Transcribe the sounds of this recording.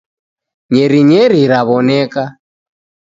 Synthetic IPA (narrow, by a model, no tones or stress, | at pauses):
ɲɛɾiɲɛɾiɾaβɔnɛka